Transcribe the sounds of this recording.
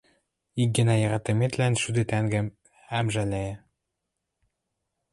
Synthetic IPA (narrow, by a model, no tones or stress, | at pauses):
ik̚ɡɘ̆næjɤ̆ʁɑt̪ɤ̆met̪lænʃyd̪ɘ̆t̪æŋɡɘ̆m | æmʒælæjĕ